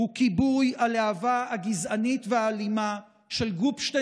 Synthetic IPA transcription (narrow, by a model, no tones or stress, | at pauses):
hukibujaleavahaɡizanitveaːlima | ʃe̞lɡufʃte